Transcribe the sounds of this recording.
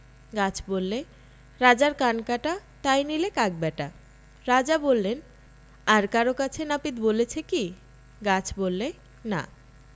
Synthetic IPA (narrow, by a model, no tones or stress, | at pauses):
ɡat͡ɕʰbolːe | ɾad͡ʑaɾkankaʈat̪ajnilekak̚bɛʈa | ɾad͡ʑabolːen | aɾkaɾokat͡ɕʰenapid̪bolet͡ɕʰeki | ɡat͡ɕʰbolːe | na̰